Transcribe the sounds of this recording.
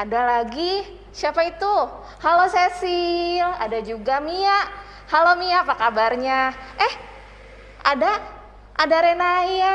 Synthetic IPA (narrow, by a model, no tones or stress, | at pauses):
adalaɡi | siapait̪u | halosesila̰dad͡ʒuɡamiaʔ | halomiapakabarɲaɛh | ada | ʔadaɾenaja